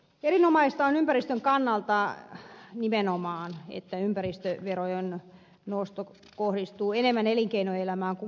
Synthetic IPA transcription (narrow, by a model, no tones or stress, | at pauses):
erinomɑist̪ɑonympærist̪øŋkɑnːɑlt̪ɑ | nimenomɑːnḛt̪ːæympærist̪øʋerojen | nost̪o | kohrist̪uːenemːæneliŋkeinoelæmæːŋku